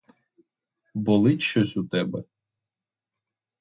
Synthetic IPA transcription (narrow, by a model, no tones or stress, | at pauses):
bɔlˠɪtʲʃɔsʲʊt̪ɛbɛ